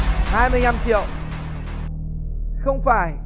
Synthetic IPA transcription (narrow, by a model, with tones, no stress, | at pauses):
haː˧jmɨ˧əjna˧mt͡ɕḭ˧˨ə˨w | xə˧wŋ͡mfaː˧˩j